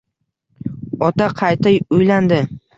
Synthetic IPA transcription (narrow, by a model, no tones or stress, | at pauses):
ɒt̪aqʰɑjt̪ajʊjland̪ɪ